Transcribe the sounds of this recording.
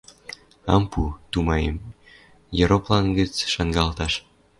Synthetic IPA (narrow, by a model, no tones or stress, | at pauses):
ɑ̰mput̪umɑjḛm | jɤɾoplɑnɡə̆t͡sʃɑŋɡɑlt̪ɑʃ